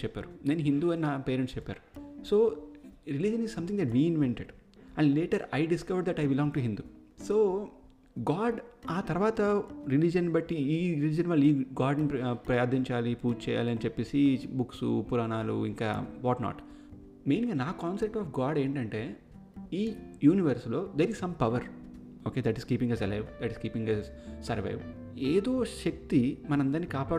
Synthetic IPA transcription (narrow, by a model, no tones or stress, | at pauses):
t͡ʃɛpːa̰ːɾuneːnɦind̪uːɐnnaːpeːɾeɳʈst͡ʃɛpːa̰ːɾusoːɾilid͡ʒɐnizsɐ̃mt̪ʰĩŋd̪ɛʈmiːinʋeɳʈeɖ | ɐ̃ɳɖleːʈɐɾɐjɖiskɐʋɐɾɖd̪ɐʈɐjbilɔ̃ːŋɡ̚ʈuɦind̪uːsoː | ɡaːɖaːt̪ɐɾʋaːt̪ɐɾilid͡ʒɐnbɐʈːiiːɾilid͡ʒɐnʋaːliːɡaːɾɖnipɾɐjaːd̪ʱiɲt͡ʃaːlipuːʈt͡ʃɛːja̰ːliɐnit͡ʃɛpːeːsibuksṵpuɾaːnaːlṵiŋka̰ːʋɔːʈna̰ːʈ | meːniŋɡanaːkaːnsep̚ʈɔːfɡaːɖe̞ːɳʈɐɳʈe̞ː | iːjuːniʋɐɾslo̞ːd̪eɾizsɐmpɐʋɐɾ | oːkeːd̪ɐʈiskiːpiŋɐsɐlɐjʋd̪ɐʈiskiːpiŋɡɐsɐɾʋɐ̰jʋ | eːd̪o̞ːʃɐk̚t̪imɐnɐmɐnd̪ɐɾniːkaːpaː